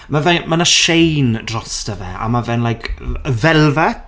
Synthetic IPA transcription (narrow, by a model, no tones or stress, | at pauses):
mavɛmanaʃejndrɔstəvɛ̰a̰mavɛnlˠajkʰəvɛlˠvɛ